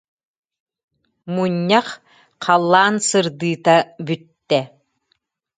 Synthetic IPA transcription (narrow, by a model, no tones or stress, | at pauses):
muɲːaχ | qʰɑlˠːaːnsɯɾd̪ɯːt̪abyt̪ːɛ